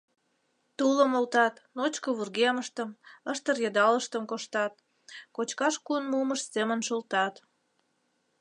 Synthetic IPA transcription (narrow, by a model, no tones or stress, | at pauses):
t̪uləmolt̪ɑt̪not͡ɕkəβurɣeməʃt̪əməʃt̪ərjɑd̪ɑləʃt̪əmkoʃt̪ɑt̪̚ | kot͡ɕkɑʃkuənmuməʃsemənʃolt̪ɑt̪